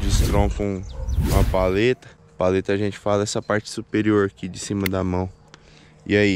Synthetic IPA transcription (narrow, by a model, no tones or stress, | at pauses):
d͡ʒɪst̪ɾõfɐ̃ũɐpalet̪ɐ̥ | palet̪ɐːʒẽnt͡ʃɪ̥falɐɛsɐpaɾt͡ʃɪ̥supeɾioɾɐkid͡ʒɪsĩmɐd̪ɐmɐ̃w̃ | ḭai